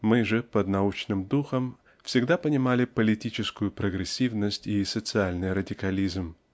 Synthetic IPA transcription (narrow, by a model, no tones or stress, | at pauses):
mɨʐɨpəd̪nɐut͡ɕnɨmd̪uxəm | fsʲɪɡd̪apənʲɪmalʲɪpəlʲɪtʲit͡ɕɪskʊjʊpɾəɡɾʲɪsʲːivnəsʲtʲisət̪sɨalʲnɨjɾədʲɪkɐlʲizm